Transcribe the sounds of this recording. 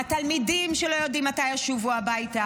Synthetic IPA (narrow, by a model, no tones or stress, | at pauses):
at̪almidimʃelo̞jo̞dimːatajaʃuvuabajta